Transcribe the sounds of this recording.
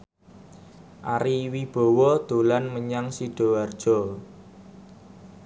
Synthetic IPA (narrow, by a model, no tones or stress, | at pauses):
ʔaɾiwib̥ɔ̤wɔd̪̥o̤lanməɲaŋsiɖ̥ɔ̤ward̥ʒ̥ɔ̤